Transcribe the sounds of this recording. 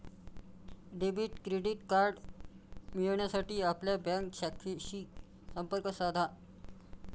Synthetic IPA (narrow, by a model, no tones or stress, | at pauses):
ɖebiʈkɾeɖiʈkaɾɖ | miɭɳjasaʈiːapljabãŋkɕakʰeɕiː | səmpəɾkəsad̪ʱa